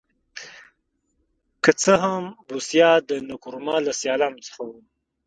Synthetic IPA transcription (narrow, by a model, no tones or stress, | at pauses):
kət͡səɦambusjɑd̪ənʊkuɾmɑlasjɑlanot͡sə̥xawum